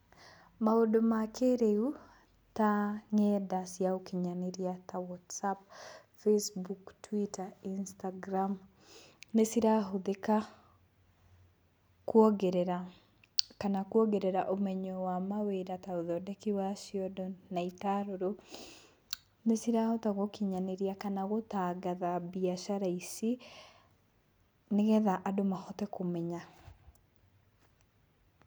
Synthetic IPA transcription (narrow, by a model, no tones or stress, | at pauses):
maodomakʰeɾeu | taŋɛdasjaokiɲaneɾjatawɔtsap̚ | fesbuktwitainstaɡɾam | nesiɾaɦoðeka | kwɔɡeɾɛɾa | kanakwɔɡeɾɛɾaʔomɛɲɔwamaweɾataoðɔdɛkiwasiɔdɔnaitaɾoɾo | nesiɾahotaɣokiɲaneɾiakanaɣotaːɡaðabiaʃaɾaisi | neɣɛðaʔadomahɔtɛkomɛɲa